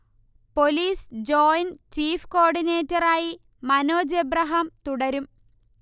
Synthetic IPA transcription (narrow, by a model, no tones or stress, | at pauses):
po̞liːsd͡ʑoːjnt͡ɕiːfko̞ːɖineːtːɐraːji | mɐno̞ːd͡ʑebrɐɦɐmt̪uɽɐɾum